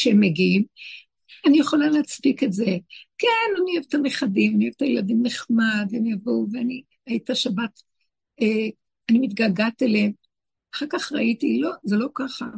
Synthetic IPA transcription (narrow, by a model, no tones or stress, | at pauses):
ʃeemeɡiim | anijeχo̞laleat͡spiketzekenanievet̪ameχadimanivt̪ajeladimneχmadenijavowveani | ajitaʃabat | e | animitɡaɡateleem | aχaʁkaχʁa̰itilo̞zelo̞kaχa̰